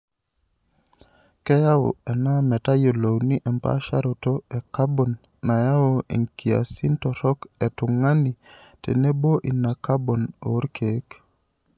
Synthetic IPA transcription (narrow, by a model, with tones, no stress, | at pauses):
kɛ˦ja˦o̰˨ɛ˨na˦mɛ˨ta˦jo˨lo˨wni˦ʔɛ˨mpa̰˦ʃa̰˦ɾo˨to˦ɛ˨ka˦bɔ˨nː | a˨ja˦o˦ḭ˨ŋki˨a̰˨si˦ntɔ˨ɾɔ˦kɛ˨tʊ˨ŋa˦ni˨ | tḛ˨ne˦bo˦ʔi˨na˨ka˦bo˨no̰˨˦ɾkʰe˨k